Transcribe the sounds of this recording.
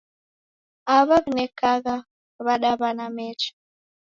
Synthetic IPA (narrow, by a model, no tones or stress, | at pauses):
aβaβinɛkaɣa | βaɗaβanamɛt͡ʃḁ